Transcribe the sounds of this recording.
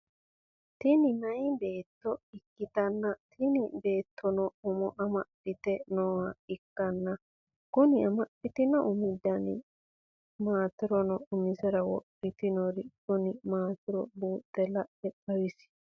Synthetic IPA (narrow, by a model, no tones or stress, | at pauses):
t̪ɪnɪnɐjbe̞ːt̪ːɔɪkːɪt̪ɐnːɐt̪ʰɪnɪbe̞ːt̪ʰːɔnɔʊmɔʔɐmɐpːɪt̪ɛnɔwɐɪkːɐnːɐ | kʊnɪɐmɐpːɪt̪ɪnɔʔʊmɪd̪ːɐnɪ̰ | maːt̪ɪɾɔnɔʊmɪsɛɾɐwɔ̰ʔɪt̪ɪnɔɾɪkʊnɪmaːt̪ɪɾɔbuːt̪ːɛlɐʔɛpɐwɪsɪ̥